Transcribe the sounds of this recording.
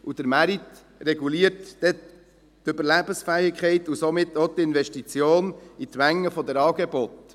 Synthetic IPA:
ʔud̥̪əɾmæɾit̪ | rɛɡ̥uliːəɾtd̥ɛ | tøbəɾlæb̥ənsfɛɪkχɛɪtusomɪt̪ːot̪ɪnvɛʃtit͡sjoːnit̪mæŋːəfɔd̪əɾɑːɡebɔt̪

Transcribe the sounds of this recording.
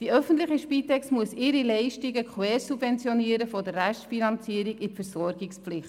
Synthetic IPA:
d̥iœfəntlɪχiʃpiːt̪ɛksmuəsɪɾilɛɪʃtiɡəkʰwɛːɾsubvɛnt͡sjɔniəɾəfodərːæʃtfinɑnt͡siːəɾiɡɪfəɾsɔɾɡɪkspflɪχt

